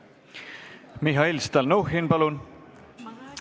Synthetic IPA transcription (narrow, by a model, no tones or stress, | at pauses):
miɦɑilst̪ɑlnuhinpɑlun